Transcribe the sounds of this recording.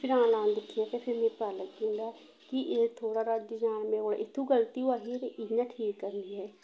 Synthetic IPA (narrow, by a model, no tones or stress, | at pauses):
pʰɪɾãːlãːnd̪ɪkʰːiaːt̪eːpʰɪɾmẽːpaːləɡkĩːnd̪aː | kɪʔet̪ʰoːɽaːɾad͡ʒd͡ʒaːnmẽːoːɽ̰ʔɪt̪ʰːũːɡəlt̪iːaːɦit̪eʔɪjãːʈʰiːkːəɾənd̪iːɦɛː